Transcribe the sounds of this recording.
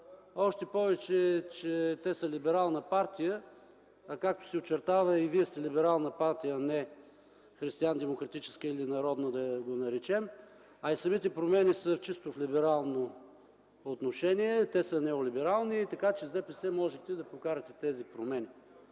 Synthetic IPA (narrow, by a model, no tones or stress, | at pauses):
ɔʃt̪ɛpɔvɛt͡ʃɛt͡ʃɛt̪ɛsəlibɛɾalˠnəpaɾt̪ijə | kak̚t̪o̥sɛot͡ʃɛɾt̪avɐiviɛst̪ɛlibɛɾalˠnəpaɾt̪ijənɛ | xɾist̪iand̪ɛmokɾɐt̪it͡ʃɛ̥skəilinɐɾɔd̪nəd̪ɐɡonɐɾɛt͡ʃɛm | ɐisɐmit̪ɛpɾomɛnisəft͡ʃist̪ʊflibɛɾalˠnoː | t̪noʃɛniɛt̪ɛsənɛolibɛɾalˠnit̪ɐkat͡ʃɛzd̪ɛpɛsɛmɔʒɛt̪ɛd̪ɐpokaɾɐt̪ɛt̪ɛzipɾomɛni